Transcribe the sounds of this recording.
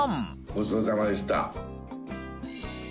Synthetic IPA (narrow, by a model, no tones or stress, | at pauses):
m | osoːzamad̪esi̥t̪a̰